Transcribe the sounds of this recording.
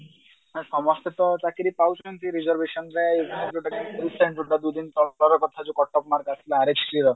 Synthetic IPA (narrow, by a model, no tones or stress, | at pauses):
asɔmɔst̪et̪ɔtakiɾipawt͡ʃʰɔnt̪ʰiɾid͡ʒɔɾbeʃɔnɾɛezaɾuɖakanisaɳʈɾuɖad̪ud̪int̪ɔɔɾɔkɔt̪ʰad͡ʒokɔʈːɔpmaɾɡasilaaɾet͡ʃɾiɾɔ